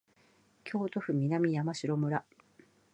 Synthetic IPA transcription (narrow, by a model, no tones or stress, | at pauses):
kʲʰo̞ːt̪o̞ɸɯ̟mʲinamʲijamaɕiɾo̞mɯ̟ɾa